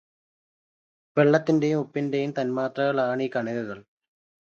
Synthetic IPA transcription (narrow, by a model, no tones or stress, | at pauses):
ʋe̞ɭːɐt̪ːinde̞jumupːinde̞jumt̪ɐnmaːt̪rɐɣɐɭaːɳiːkɐɳiðɐɣɐɭ